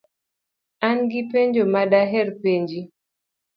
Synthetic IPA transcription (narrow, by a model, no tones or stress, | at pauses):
anɡɪpeɲd͡ʒomadaɦɛɾpeɲd͡ʒi